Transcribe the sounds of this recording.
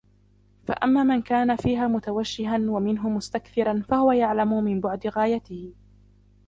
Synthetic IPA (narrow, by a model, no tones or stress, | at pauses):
fa̰ʔamːaːmankaːnafiːɦaːmʊt̪awaʃːɪɦanwamɪnɦʊmʊst̪akθɪɾˤanfahʊwajaʕlamʊmɪmbʊʕd̪ɪɣaːjat̪ɪhɪ